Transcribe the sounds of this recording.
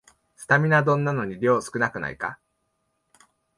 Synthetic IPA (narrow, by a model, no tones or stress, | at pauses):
t͡sɨ̥t̪amʲinad̪õ̞nːano̞ɲ̟iɾʲo̞ːsɨ̥kɯ̟nakɯ̟na̰ḭka̰